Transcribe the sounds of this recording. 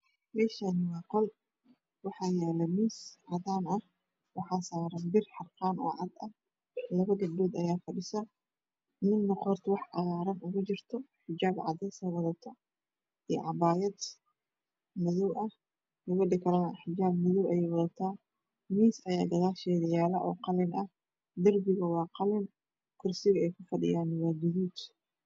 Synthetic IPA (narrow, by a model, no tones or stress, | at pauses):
mɛːʃanwaːqɔl | wɑħaːjaːlɐmiːsʕɑd̪aːnɐh | wɑħaːsaːɾɐnbɪrħɑrqaːnɔ̰ːʕɑd̪ɐh | lɐβɐɡɐd̪uːd̪ɐjaːfɐɖɪsɐ | mɪnːɐqɔɾt̪wɑħʔɐɣaːɾɐnʊɣʊd͡ʒɪrt̪ʰɔħɪd͡ʒaːbʕɑ̰d̪ɛjsɐwɐðɐt̪ʰːɐ | iʕɑbaːjɐd̪ | mɪðɔwʔɐh | ʊwɐɖɪkʰɐlɐnɐħɪd͡ʒaːbmɪðɔwɛjwɐðɐt̪ʰaː | miːsɐjaːɡ̪ɐðaːʃɛːðɐjaːlɐʔɔ̰ːqɑlɛnʔɐh | d̪ɐrbɪɣɐwɑːqɑlɪn | kʰʊrsɪɣɐɛjkʰʊfɐɖɪ̰jaːnwɑːd͡ʒɛðuːd̪